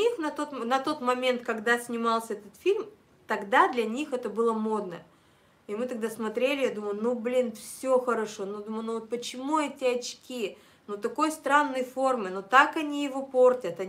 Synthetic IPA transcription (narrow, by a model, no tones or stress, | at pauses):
ixnɐt̪ot̪nɐt̪o̞t̪mɐmʲe̞nt̪kɐɡd̪asʲnʲɪmɑlˠsʲəɛt̪ət̪fʲilʲm | t̪ɐɡd̪ad̪lʲɐnʲixɛt̪əbɨlˠəmod̪̚nə | ɪmɨt̪ɐɡ̚d̪asmɐt̪ɾʲelʲɪjad̪uməjˠnublʲinfsʲoxəɾɐʂo̞nud̪uməlnuvot̪̚pət͡ɕɪmuɛtʲɪɐt͡ɕkʲi | nut̪ɐko̞jst̪ɾanːəjfo̞rmɨnot̪akɐnʲijɪvo̞po̞rtʲət̪ɐ